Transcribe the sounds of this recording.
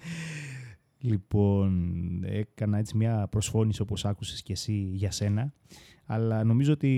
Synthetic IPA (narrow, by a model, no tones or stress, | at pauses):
lipo̞ne̞̰kɐnɐe̞t͡simɲɐpɾo̞sfo̞nisio̞po̞sɐkuse̞̥sce̞siʝɐse̞nɐ | ɐlɐno̞mizoot̪i